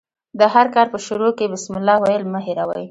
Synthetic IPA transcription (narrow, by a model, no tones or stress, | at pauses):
d̪əɦaɾkɑɾpəʃʊɾokebɪsmɪlːɑwajəlməɦɪɾawa̰ji